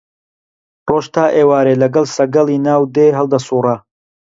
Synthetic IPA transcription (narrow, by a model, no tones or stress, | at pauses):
roːʃt̪ʰaːʔeːwaːɾeːlɐɡɐlˠsɐɡɐlˠiːnaːwd̪eːɦɐlˠd̪ɐsuːrɐ